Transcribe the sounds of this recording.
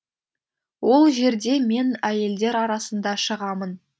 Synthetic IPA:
wo̞lˠʒe̞ɾd̪e̞me̞næje̞ld̪e̞ɾɑɾɑsənd̪ɑʃəʁɑmən

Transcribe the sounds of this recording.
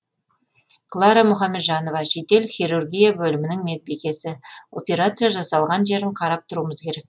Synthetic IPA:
klˠɑɾamʊχɑmːe̞d̪ʒɑno̞vɑʃe̞t̪e̞lχʲiɾurɡʲijabɵlɪmɪnɪŋmet̪̚bekʲe̞sɪo̞̰pʲe̞ɾat̪sɨjaʒɑsɑlˠʁɑnʒe̞ɾɪɴqʰɑɾɑp̚t̪ʰʊɾuəməzkʲʰe̞ɾek̚

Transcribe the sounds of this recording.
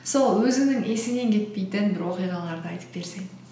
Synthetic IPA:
so̞lˠwɵzɪnɪŋesɪne̞ŋkʲʰe̞t̪̚pe̞jt̪ɪnbɪɾwo̞qijʁɑlˠɑɾd̪əɑjt̪ə̥p̚be̞ɾseŋ

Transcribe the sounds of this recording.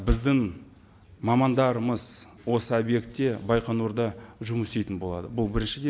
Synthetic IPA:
bɪzd̪ɪŋ | mɑmɑnd̪ɑɾəməz | wo̞səobje̞kt̪ːe̞bɑjqɑnuɾd̪ɑʒʊmʏsejt̪ɪnbo̞lˠɑ̰d̪əbʊlˠbɪɾɪnʃɪd̪e

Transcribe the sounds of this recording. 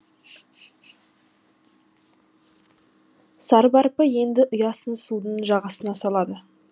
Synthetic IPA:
sɑɾbɑɾpəje̞nd̪ɪʔʊjɑsəsud̪ənʒɑʁɑsənɑsɑlˠɑd̪ə

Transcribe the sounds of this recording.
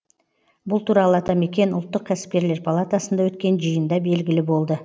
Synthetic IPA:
bʊlˠt̪ʰuɾɑlˠəɑt̪ɑme̞kʲe̞nʊlˠt̪ːəq̚kʲʰæsɪ̥p̚kʲe̞ɾle̞ɾpʰalˠat̪asənd̪ɑwɵt̪̚kʲe̞nʒəjənd̪ɑbe̞lɡʲɪlɪbo̞lˠd̪ə

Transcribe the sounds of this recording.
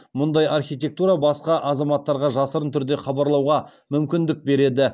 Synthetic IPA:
mʊnd̪ɑjɑrχʲijt̪̬ʲe̞k̚t̪uɾɑbɑsqɑʔɑzɑmɑt̪ːɑɾʁɑʒɑsəɾənt̪ʰʏɾd̪e̞χɑbɑɾlˠɑwʁɑ | mʏmkʲɪnd̪ɪk̚be̞ɾe̞d̪ɪ

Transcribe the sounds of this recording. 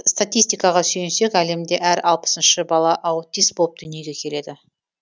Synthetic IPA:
st̪at̪ijst̪ijkɑʁɑsɵjensekæle̞md̪e̞ʔæɾɑlˠpə̥sənʃəbɑlˠɑʔɑwt̪ʲːijst̪̚bo̞lˠəp̚d̪ʏnije̞ɡʲe̞kʲʰe̞le̞d̪ɪ

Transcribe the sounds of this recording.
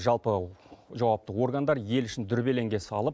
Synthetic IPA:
ʒɑlˠpəʒɑwɑp̚t̪əwo̞ɾɡand̪ɑɾje̞lʏʃɪnd̪ʏɾbe̞le̞ŋɡʲe̞sɑlˠəp

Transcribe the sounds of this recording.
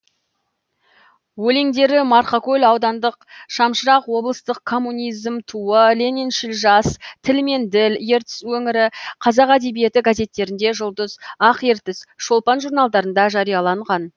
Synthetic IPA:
wɵleŋd̪e̞ɾɪmɑɾχɑkʲɵlʲɑwd̪ɑnd̪əqʃɑmʃəɾɑqwo̞blˠəst̪əq̚kʰːo̞mːunijzmt̪ʰuəlʲe̞nenʃilʒɑst̪ʰɪlme̞nd̪ɪlje̞ɾt̪ɪ̥swɵŋɪɾɪqʰɑzɑqæd̪e̞bije̞t̪ɪɡaze̞t̪ːe̞ɾɪnd̪e̞ʒʊlˠd̪əzɑqe̞ɾt̪ɪsʃo̞lˠpɑnʒurnɑlˠd̪ɑɾənd̪ɑʒɑɾijɑlˠɑɴʁɑn

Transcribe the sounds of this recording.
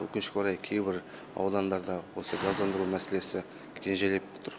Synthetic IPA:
wɵ̰kʲɪnʃɪ̥koɾɑjkʲʰe̞jbɪɾ | ɑ̰wd̪ɑnd̪ɑɾd̪ɑwo̞səɡɑzd̪ɑnd̪əɾumæse̞le̞sɪ | kʲʰenʒele̞pbo̥t̪ʰəɾ

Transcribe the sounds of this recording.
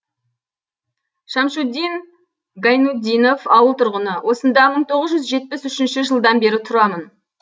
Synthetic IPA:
ʃɑmʃud̪ʲin | ɡajnud̪ʲinofɑwəlˠt̪ʰʊɾʁənəwʔo̞sənd̪ɑməɴt̪ʰo̞ʁəzʒʏzʒe̞t̪̚pɪsʏʃɪnʃɪʒəlˠd̪ɑnbe̞ɾɪt̪ʰʊɾɑmən

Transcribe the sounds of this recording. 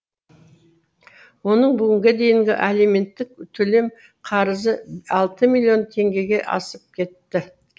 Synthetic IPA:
wo̞nəɴbʏɡʲɪŋɡʲed̪e̞jɪŋɡʲɪ̰ʔæleme̞nt̪ːɪk̚t̪ʰɵle̞m | qʰɑɾəzəɑlˠt̪əmilʲːijo̞nt̪ʰe̞ŋɡʲe̞ɡʲe̞ʔɑ̰səp̚kʲʰe̞t̪ːɪ

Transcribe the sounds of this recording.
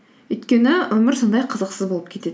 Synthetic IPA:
ɵjt̪kʲe̞nɪwɵmɪɾsond̪ɑjqʰəzəqsəzbo̞lˠəpkʲʰe̞t̪e̞ɪ

